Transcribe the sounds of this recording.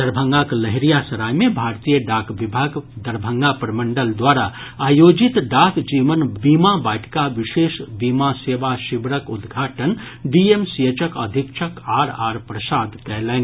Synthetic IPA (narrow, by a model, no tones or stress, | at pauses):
d̪̥əɾbʱə̃ŋɡakləɦɾijasɐɾaːjmẽbʱaːɾt̪ijəɖaːkʰʋibʱaːɡd̪əɾbʱə̃ŋɡapɾəmə̃ɳɖəld̪waːɾa | aːjoːd͡ʒit̪ɖakʰd͡ʒiːʋənbimabaːʈkaʋiʃeːʃbimaseːʋaʃibɾəkud̪ɡʱaːʈən | ɖiemsijət͡ʃəkə̰d̪ʱikʃʰəkaːɾaɾpɾəsaːd̪kɛɦlɛːn